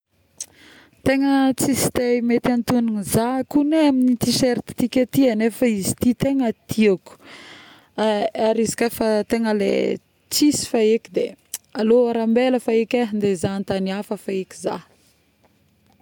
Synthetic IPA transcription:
t̪eŋət͡sisi̥t̪ejmet̪iant̪uninizakuneaminit̪iʃeɾt̪i̥t̪ikʲat̪ianefəizi̥t̪it̪eŋət̪ʰiaku̥ | aaɾizi̥kafat̪eŋəlḛ | t͡sisi̥faekid̪ealoaɾambeləfaekʲaɦind̪ezant̪aniafəfaekʲi̥za

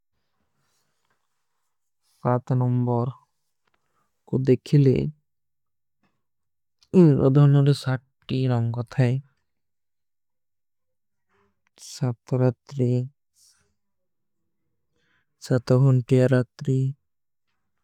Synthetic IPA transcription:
sat̪nɔmbɔɾ | kod̪ekʰilḛ | ɾɔ̰d̪ʱɔnoɾesaʈːiɾɔŋkɔt̪ʰae | sat̪ʰːɔɾat̪ɾi | sat̪ɔɦunʈijaɾat̪ɾi

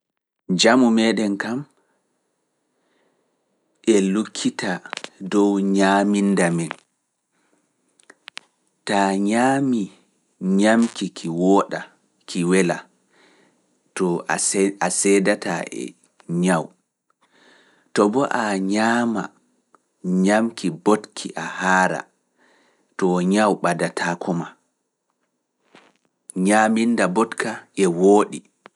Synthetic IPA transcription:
d͡ʒamumɛɗɛnkam | ʔɛlukʰːitadɔwɲamindamɛn | taɲaːmi | ɲamkikʰiwɔɗa | kʰiwɛla | tɔ | asɛːdataʔɛ̰ | ɲaw | tɔbɔʔaɲaːma̰ | ɲamkibotkʰiʔahaːɾa̰ | tɔɲawɓadatʰakʰuma | ɲamindabɔtkaɛwoːɗi

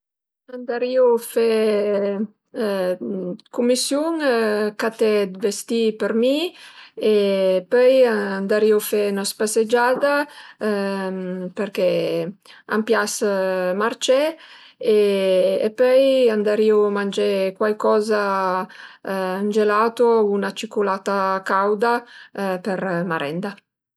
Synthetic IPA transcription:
and̪aɾiofe | kumːisjuŋkat̪ɛd̪vest̪ipeɾmi | epœjand̪aɾiofɛnɔspased͡ʒaːd̪a | peɾke | a̰mpjasmart͡ʃɛ | ḛː | pœjand̪aɾiomand͡ʒɛkwalkɔːza | and͡ʒelaːt̪ounat͡ʃikolaːt̪akawd̪apeɾmaɾɛ̰nd̪a

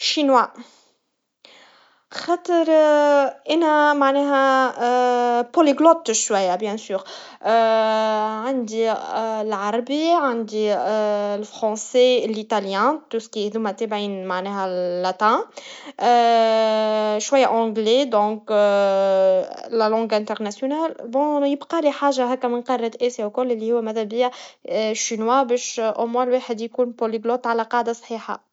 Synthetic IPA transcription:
ʃinwa | xɑt̪əɾ | ʔɛnæmaʕnɛɦæ | poliɡlɔt̪ːʃwæjːabjɛ̃syːʁ | ʕand̪ilʕɑɾˤɑbiʕand̪i | lfɾɑ̃selit̪aljɛ̃t̪uskihd̪umæt̪ɛbʕiːnmaʕnɛːɦælːæt̪æ̃ | ʃwajːaʔɑ̃ɡled̪ɔ̃ːk | lælɑ̃ːɡæ̃nt̪əɾnæsjonaːlbɔ̃jɪbqɑliħaːʒaɦɛːkːæmɪnqɑrːɑt̪ʔɛsjawkʊlːʔɪlːihʊwːæmæðæbijaʃinwabɛʃʔomwæ̃lweːħəd̪jkuːnpoliɡlot̪ʕalæqɑʕd̪asˤħiːħa̰

